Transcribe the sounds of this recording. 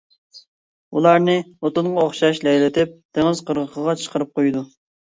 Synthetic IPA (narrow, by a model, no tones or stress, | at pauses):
ulˠɑɾnɨot̪ʊɴʁɑoχʃɑʃlɛjlɪt̪ʰɪp̚d̪ʰeŋɨz̥qʰəɾʁəqʰəʁɑt͡ʃʰə̥qʰəɾɨp̚qojd̪u